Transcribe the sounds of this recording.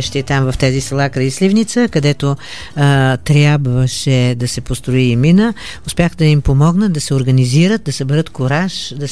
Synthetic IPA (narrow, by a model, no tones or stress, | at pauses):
ʃt̪it̪amvɐft̪azisɐlˠakɾɐislivnit̪səkɐd̪ɛt̪o | t̪ɾʲjabvəʃɛd̪ɐsɛpost̪ɾoiːminə | ʊspjaxd̪ɐimpomɔɡnət̪d̪ɐsɛoɾɡɐniziɾət̪̚d̪ɐsɐbɛɾət̪koɾaʃd̪ɐ